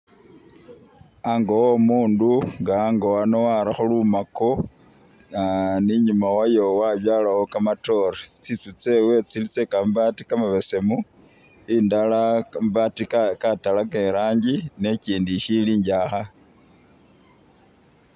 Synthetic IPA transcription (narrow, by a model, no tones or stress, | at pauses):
aŋɡowomuːnduŋɡaŋɡowanowaɾaxolumako | aniɲumawajo̞waβjaːlawokamato̞ɾet͡sit͡sut͡se̞we̞t͡silit͡se̞kambatikamaβe̞se̞mu | indalambatikkatalake̞ɾaːɲɟine̞ciːndiʃiliːɲɟaxa